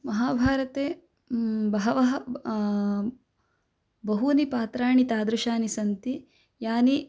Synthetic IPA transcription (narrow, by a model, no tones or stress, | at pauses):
mɐɦaːbʱaːɾɐt̪eː | bɐɦɐʋɐɦɐ | bɐɦunipaːt̪ɾaːɳit̪aːd̪ɾuʃaːnisɐnt̪i | jaːni